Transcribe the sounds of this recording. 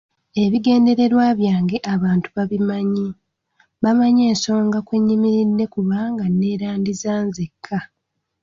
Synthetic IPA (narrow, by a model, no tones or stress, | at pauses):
e̞βiɡe̞ːnde̞ɾe̞ɾwaːβjaːŋɡe̞ʔaβaːntu̥βaβimaɲi | βamaɲe̞ːnso̞ːŋɡakweɲːimiɾinːe̞kuβaŋɡanːe̞ːɾaːndizaːnzekʰːa